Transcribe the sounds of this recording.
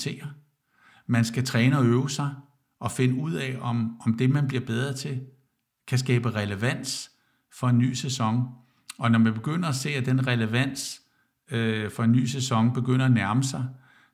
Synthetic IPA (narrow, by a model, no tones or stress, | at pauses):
sʰe̝̰ːɐ | mænsɡ̥æt͡sʰʁɛːnəɒ̽øʊəsɑ̈ɪ | ʔɒ̽fe̝nəuð̞̰ˠɛɒ̽mɒ̽md̥e̝mænb̥liɐb̥eð̞ˠʁɐt͡sʰe̝l | kʰæsɡ̥ɛːb̥əʁɛləʋæn̰s | fɒ̽e̝nːy̰ːsesɒ̽ŋ | ɒ̽nɒmænb̥e̝ɡ̥øn̰ɐæse̝̰ːæd̥enʁɛləʋæn̰s | fɒ̽e̝nːy̰ːsesɒ̽ŋb̥e̝ɡ̥øn̰ɐænæɐməsɑ̈ɪ